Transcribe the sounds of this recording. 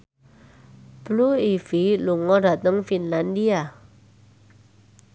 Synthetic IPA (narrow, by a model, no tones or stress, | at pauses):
b̥luifiluŋɔda̤t̪əŋfinlandia